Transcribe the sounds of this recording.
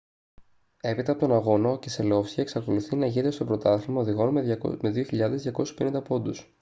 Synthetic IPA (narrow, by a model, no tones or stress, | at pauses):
e̞pit̪ɐpot̪o̞nɐɣo̞nociselo̞fsçɐeksɐko̞luθinɐʝinet̪est̪o̞bɾo̞t̪ɐθilmɐoðiɣo̞nmme̞ðioçiʎɐðe̞zðʝɐko̞si̥spenind̪ɐpo̞nd̪us